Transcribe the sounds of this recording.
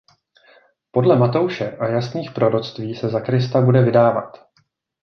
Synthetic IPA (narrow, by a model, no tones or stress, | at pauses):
po̞dlɛmat̪o̞wʃɛʔajasniːxpɾo̞ɾo̞t͡st̪viːsɛzakɾɪst̪abudɛvɪdaːva̰t̪